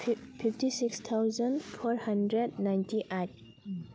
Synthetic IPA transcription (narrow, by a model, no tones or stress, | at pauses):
pʰiftisikst̪ʰawzənfʰɔɹhandɾɛd̚najntʰiʔajt̚